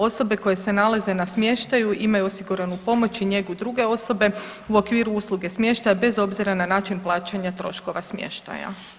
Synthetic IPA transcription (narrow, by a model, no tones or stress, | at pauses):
o̞so̞be̞ko̞je̞se̞nalaze̞nasmje̞ʃt̪ajuʔimajuosiɡuɾanupo̞mo̞t͡ʃiɲe̞ɡud̪ɾuɡe̞o̞so̞be̞uo̞kʋiːɾuuːslˠuɡe̞smʲje̞ʃt̪ajabe̞zo̞bziɾananaːt͡ʃinplˠaːt͡ʃaɲat̪ɾo̞̰ʃko̞ʋasmjḛʃt̪a̰ja̰